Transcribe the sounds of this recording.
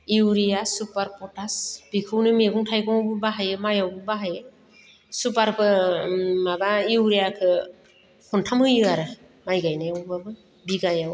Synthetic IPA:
iwɾijasupaɾpɔtasb̥ikʰɯwnɯmeɡɔŋtʰajɡɔŋawbɯbaɦajɯmajawbɯbaɦajɯ | supaɾkʰɯ | mabaiwɾijakʰɯ | hɔntʰamhɯjɯaɾɯ | majɡajnajawbabɯ | biɡajaw

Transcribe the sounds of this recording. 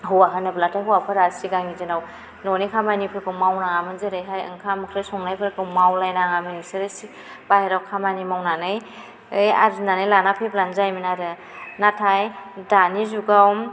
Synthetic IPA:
ɦɯwaɦanablatʰajɦuwapʰɯɾaɾsiɡaŋnizɯnaw | nɔnikʰamajnipʰɯɾkɯwmawnaŋamɯnzɯɾɯjɦajɯ̰ŋkʰamkʰɾɯsɔŋnajpʰɯɾkɯwmawlajnaŋamɯnisɯɾɯsi | b̥ajɾawkʰamajnimawnanɯj | ɯja̰ɾznanɯjlanapʰɯjblanzajminaɾɯ | natʰajdanizuɡawm

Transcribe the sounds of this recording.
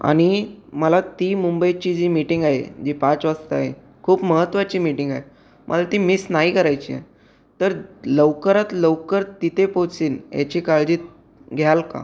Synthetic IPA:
a̰ɽ̃iməlat̪imumbəjt͡ɕid͡ʑiːmiʈiŋɡaɦḛd͡ʑipat͡sʋast̪əaɦḛ | kʰuːpməɦət̪ːʋat͡ɕiːmiʈiŋɡaɦe | mʔə̰lat̪imisnaɦikəɾajt͡ɕiã̰ | t̪əɾləʋkəɾat̪ləʋkəɾt̪it̪ʰepot͡siːnja̰t͡ɕikaɭd͡ʑiːt̪̚ | ɡʱjalka̰

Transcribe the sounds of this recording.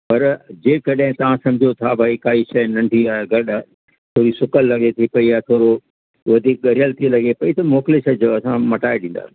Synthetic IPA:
pɐɾd͡ʑeːkɐɗɦɪ̃t̪ɐʋ̤ãsɐ̃md͡ʑʱiot̪ʰabʱaːikaːiʃɐnɐ̃ɳɖʱiaeɡɐɗ | t̪ʰoːɾisʊkəlːɐɡʱet̪ʰipɐiat̪ʰoːɾo | ʋɐd̪ʱiːk̚ɠɐɾɪjəlt̪ʰilɐɡʱepɐit̪ɐmoːkleʃɐd͡ʑʱoɐsãmɐʈaːeɗĩːnd̪a̰ː

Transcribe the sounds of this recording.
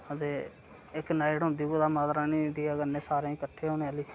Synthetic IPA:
ət̪eː | ɪknaːɪʈɦʊ̃nd̪iːkoːd̪aːmaːzɾaːniːd̪iːaɡənːẽːsaːɾẽːĩːkəʈʰːeːɦoːneːaːliː

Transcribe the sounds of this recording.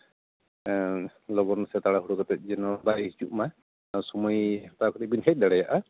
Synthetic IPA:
lɔɡɔnsɛt̪aɽaɦuɽɔkɔt̪ɛt̪̚ˀd͡ʒɛnɔbaɾiit͡ʃuʔma | sɔmɔjt̪akɔt̪ɛbinɦɛt̚d̪aɽɛjaʔa

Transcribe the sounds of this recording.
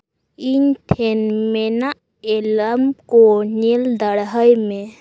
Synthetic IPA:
inʈʰenmena | eləmkonild̪əɽɦəjme

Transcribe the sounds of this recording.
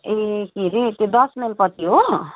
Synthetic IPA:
ekiɾet̪ed̪ɔsmenpɔt̪iɦo

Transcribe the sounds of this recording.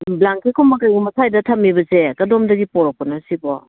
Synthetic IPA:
blaŋkikʰumɐkajɡumɐsʰajdɐtʰɐmːibɐsekɐdomdɐɡipɔɾɔk̚pɔnɐsibɔ

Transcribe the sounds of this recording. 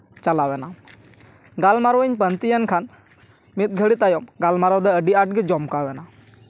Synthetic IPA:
t͡ʃalawɛna | ɡalmaɾɔəɲpənt̪ijənkʰan | mit̪̚ɡʱəɽit̪ajɔmɡalmaɾɔwd̪ɛəɖiaʈ̚ɡɛd͡ʒɔmkawɛna

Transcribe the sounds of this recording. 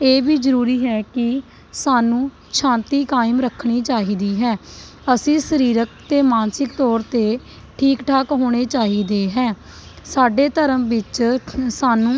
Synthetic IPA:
eːbiːd͡ʒəɾuːɾiːɦɛːkɪ | saːnũː | ʃʰãːnt̪iːkaːɪmɾəkʰːɽ̃iːt͡ʃaːɦiːd̪iːɦɛː | əsĩːsəɾiːɾək̚t̪eːmaːnsɪkt̪ɔːɾt̪eː | ʈʰiːkʈʰaːkɦoːɽ̃eːt͡ʃaːɦiːd̪eːɦɛː | saːɖeːt̪əɾəmʋɪt͡ʃsaːnũː

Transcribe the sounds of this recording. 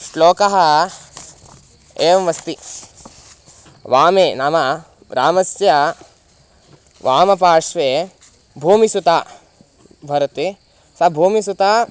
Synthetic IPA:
loːkɐɦɐ̆ | eːʋɐmɐst̪i | ʋaːmeːnaːmɐ | ɾaːmɐsjɐ | ʋʔaːmɐp̬aːʂʋeː | bʱuːmisut̪aː | bʱɐɾɐt̪i | sɐbʱuːmisut̪aː

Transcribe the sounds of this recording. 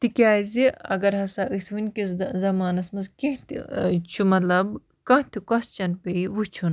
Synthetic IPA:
t̪ikʲaːziɐ̰ɡɐɾɦɐsaʔɨsʋɨnʲkiszɐmaːnɐsmɐzkʲẽɦt̪ʰt͡ʃʰumɐt̪lɐb | kɐ̃ɦt̪ʰikɔst͡ʃɐnpeiʋut͡ʃʰun

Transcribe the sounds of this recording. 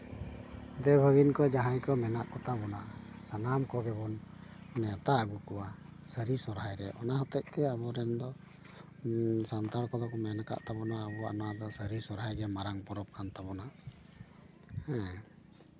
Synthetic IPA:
d̪ɛbʱəɡinkɔd͡ʒaɦaɲkɔmɛnaʔkɔt̪abɔna | sanamkɔɡɛbɔnnɛt̪aʔəɡukɔwa | səɾisɔɾɦajɾɛʔɔnaɦɔt̪ɛc̚ˀt̪ɛabɔɾɛnd̪ɔ | sant̪aɾkɔd̪ɔkɔmɛnaka̰ʔt̪abɔnaːbɔanad̪ɔsəɾisɔɾɦajɡɛmaɾaŋpɔɾɔp̚kʰant̪abɔna | hɛ̃

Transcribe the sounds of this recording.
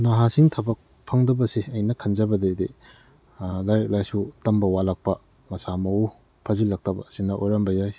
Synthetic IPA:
naɦasiŋtʰɐbɐk̚ | pʰɐŋdɐbɐsiɐjnɐkʰɐnzɐbɐdede | lajɾek̚lajsutɐmbɐwalak̚pɐ | mɐsamɐu | pʰɐzilɐk̚tɐbɐ̰sinɐʔojɾɐmbɐjaj

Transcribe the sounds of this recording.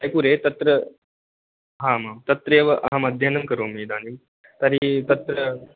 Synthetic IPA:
ɐjpuɾet̪ɐt̪ɾə | ɦãmamt̪ɐt̪ɾeʋəʔɐ̰ɦamɐd̪ʱjanɐmkəɾoːmiːd̪ãni | t̪aɾit̪ɐt̪ɾə

